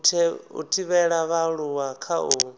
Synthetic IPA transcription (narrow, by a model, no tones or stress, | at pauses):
tʰɛṵtʰiβɛɺaβaɺuwakʰaʔu